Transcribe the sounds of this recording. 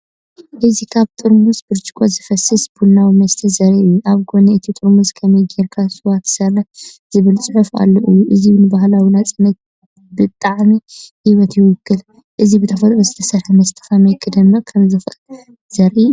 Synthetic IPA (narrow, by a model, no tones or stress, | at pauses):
ʔɨzikʰaβt̪ʼɨɾmusbɨɾt͡ʃʼi̥kʰʼozɨfɐsɨsb̥ulnawimɐst̪ʰizɐɾiɨjːuʔaβɡo̞nɐɨt̪ʰit̪ʼɨɾmuskʰɐmɐjɡeɾkʰasʼɨwat̪sɐɾɐz̥ɨβɨlt͡sʼɨħufa̰lːoʔɨjːuʔɨzinɨbaɦlawilat͡sʼɨnːɐt̪̚ | bɨt̪ʼːaʕmihiβɐt̪ʰijwujɪkʰːɨl | ʔɨzibɨt̪ʰɐfɐt̪ʼɾozɨt̪ʰɐsɐɾħɐmɐst̪ʰɨ̥famɐjkʰɨd̪ɐmnokʰɐmzɨxl | zɐɾʔi